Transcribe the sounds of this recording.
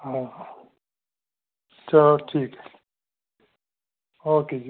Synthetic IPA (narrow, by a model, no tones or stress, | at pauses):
ɦãɦa | t͡ʃʰaʈʰiːkɦɛ | oːked͡ʒ